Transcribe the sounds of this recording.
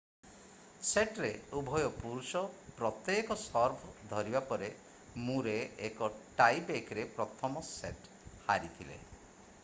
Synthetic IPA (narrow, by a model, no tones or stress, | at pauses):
seʈɾeubʱɔjɔpuɾusɔpɾɔt̪ːjekɔsɔɾbʱɔd̪ʱɔɾibapɔɾe | mũɾeekɔʈajpekɾepɾɔt̪ʰɔmɔseʈ | haɾit̪ʰilḛ